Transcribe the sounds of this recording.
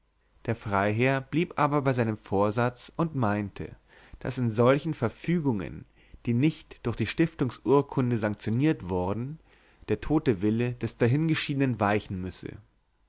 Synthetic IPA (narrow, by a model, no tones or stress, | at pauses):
d̥eːɐfʁ̥aɪɦeːɐb̥liːpʔaːbɐbaɪzaɪnəmfoːɐzat͡sʊntmaɪntʰə̰ | d̥a̰sɪnzɔlçn̩fɛɐfyːɡʊŋə̰n | d̥iːnɪçtd̥ʊɐçd̥iːʃtɪftʊŋsʔuːɐkʰʊndəzaŋk̚t͡sjoniːɐtv̥ɔɐdn̩ | d̥eːɐtʰoːtəvɪləd̥ɛsd̥aɦɪnɡəʃiːdənənvaɪçn̩mʏsə̰